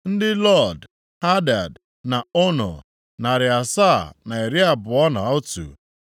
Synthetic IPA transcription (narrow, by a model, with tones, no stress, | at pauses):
n̩˦dɪ˦lɔ˦˨d | ha˦da˨d | na˨ʊ˦nʊ̰˨ | na˨ɾɪ˨a˨sa˦˨na˨e˨ɾi˦a˨bʊ˨ɔ˦na˨ʊ˦tṵ˨